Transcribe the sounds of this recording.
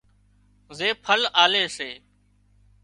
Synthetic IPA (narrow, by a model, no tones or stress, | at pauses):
zeːpʰəlaːleːseː